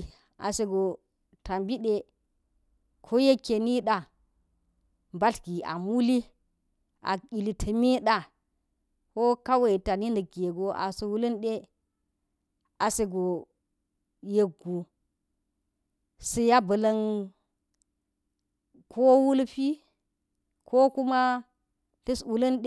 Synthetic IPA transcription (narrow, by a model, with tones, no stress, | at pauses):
a̰˨se˨ɡo˨ | ta˨mbi˦ɗe˦ | kʰo˦je˦kːe˨ni˦ɗa˨ | mba˦ɬɡi˨a̰˨mu˦li˦ | a̰˨i˨li˨tʰə˨mi˦ɗa˨ | ko˦ka˦we˦˨ta˨ni˦ndə˨ɡe˨ɡo˨ʔa̰˨sə˨wu˦lə˦nɗe˦ | a˨se˨ɡo˨ | je˨ɡu˨ | si˨ja˦bə˨lɐ˦n | kʰo˦wu˦lɸi˦ | kʰo˦ku˦ma˦ | ɬi˦swu˨lə˦nɗ